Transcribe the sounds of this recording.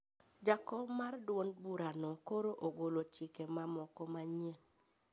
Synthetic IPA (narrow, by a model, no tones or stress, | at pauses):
d͡ʒakɔbmardwonbuɾanɔkoɾoʔoɡolot͡ʃɪkemamɔkɔmaɲen